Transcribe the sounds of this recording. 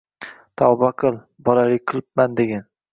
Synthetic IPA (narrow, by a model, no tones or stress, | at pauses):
t̪ʰawbaqʰɨlˠ | bɒlalɪqʰɨlˠɪp̚mand̪eɡʲan